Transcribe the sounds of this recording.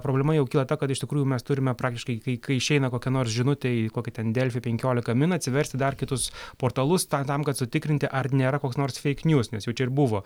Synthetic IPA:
pɾoːblʲɛmɐjɛʊkʲiːlˠɐt̪ɐkɐt̪ɪʃt̪ʲɪkɾuːjumʲɛst̪ʊɾʲɪmʲɛpɾɑːkt̪ʲɪʃkɐɪkɐɪkɐɪɪʃʲɛɪnɐkoːkʲɛnoːrsʒʲɪnʊt̪ʲɛkoːkʲɪt̪ʲɛnd̪ʲɛlʲfʲɪpʲɛŋʲkʲoːlʲɪkɐmʲɪnɐtʲsʲɪʋʲɛɾʲsʲt̪ʲɪd̪ɐrkʲɪt̪ʊspoːrt̪ɐlˠʊst̪ɐt̪ɐmkɐt̪sʊt̪ʲɪkɾʲɪnʲt̪ʲɪʔɐrnʲeːɾɐkoːksnoːrsfʲɛɪknʲjuːsnʲɛsjɛʊt͡ʃʲɛɪɾbʊʋoː

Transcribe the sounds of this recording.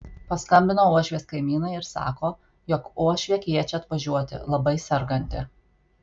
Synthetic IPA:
pɐskɐmʲbʲɪnoːuɔʃʲʋʲeːskɐɪmʲiːnɐɪɪɾsɑ̰ːkoː | jɔkuɔʃʲʋʲiɛkʲiɛt͡ʃʲɛɐt̪ʋɐʒʲuɔt̪ʲɪ̰lˠɐbɐɪsʲɛɾɡɐnʲt̪ʲɪ

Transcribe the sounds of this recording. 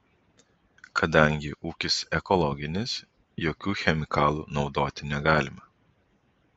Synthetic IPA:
kʰɐd̪ɐˑŋʲɡʲɪʔuːkʲɪsɛkɔlˠɔɡʲɪnʲɪs | joːkʲuːxʲɛmʲɪkɑːlˠṵːnɒʊd̪oːt̪ʲɪnʲɛɡɑːlʲɪmɐ

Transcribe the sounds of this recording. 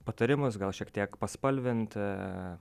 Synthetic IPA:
pɐt̪ɐɾʲɪmʊsɡɐlˠʃʲiɛkt̪ʲiɛkpɐspɐlʲʋʲɪnt̪

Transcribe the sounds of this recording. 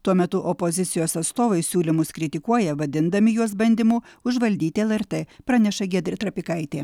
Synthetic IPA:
t̪uɔmʲɛt̪ʊʔɔpozʲɪt̪sʲɪjoːsɐt̪st̪oːʋɐɪsʲuːlʲɪmʊskɾʲɪt̪ʲɪkuɔjɛʋɐd̪ʲɪnd̪ɐmʲɪjuɔsbɐnʲd̪ʲɪmuːʊʒʋɐlʲd̪ʲiːt̪ʲɪɛlˠɛɾt̪eːpɾɑːnʲɛʃɐɡʲɛːd̪ʲɾʲɪt̪ɾɐpʲɪkɐɪt̪ʲeː

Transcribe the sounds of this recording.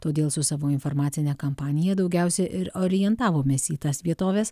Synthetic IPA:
t̪oːd̪ʲeːlˠsʊsɑːʋoːɪnfoɾmɑːt̪sʲɪnʲɛːkɐmpɑːnʲɪjɛd̪ɒʊɡʲɛˑʊsʲɛʔɪɾoːɾʲɪjɛnt̪ɑːʋoːmʲeːsiːt̪ɐsʋʲiɛt̪oːʋʲes

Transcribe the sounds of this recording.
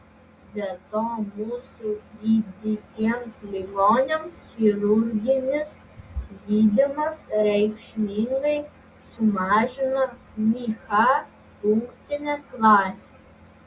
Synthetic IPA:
d̪ʲɛt̪oːmuːsudʲiːd̪ʲɪt̪ʲiɛmslʲɪɡoːnʲemsxʲɪɾʊɾʲɡʲɪnʲɪs | ɡʲiːd̪ʲɪmɐsɾʲɛɪkʃʲmʲiŋɡɐɪ | sʊmɑːʒʲɪno | mʲiːxɑ | ʊŋkt̪sʲɪnʲɛklˠɑːsʲe̥

